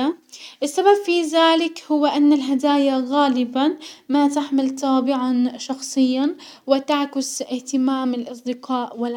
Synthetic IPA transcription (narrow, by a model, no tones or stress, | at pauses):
aʔɪsːababfiðaːlɪkhʊwːɪʔanːalɦad̪aːjaɣaːlɪbamat̪aħmɪlt̪ɑːbɪʕanʃɑxsˤɨjːa | wɪt̪aʕkɪsɪht̪ɪmaːmɪlʔɑsˤd̪ɪqɑːʔwɪl